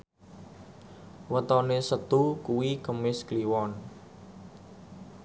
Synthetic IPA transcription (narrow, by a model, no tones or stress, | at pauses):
wət̪ɔnesət̪ukuwikəmɪskliwɔn